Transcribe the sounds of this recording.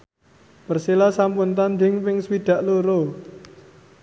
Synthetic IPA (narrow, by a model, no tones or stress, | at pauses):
pərselasampʊnt̪and̪ɪŋpɪŋswiɖ̪̥a̤ʔloɾo